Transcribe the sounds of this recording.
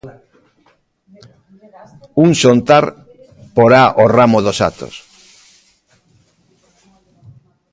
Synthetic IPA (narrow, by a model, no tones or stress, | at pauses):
uŋsont̪aɾ | poɾaʔoramoðosa̰t̪o̰s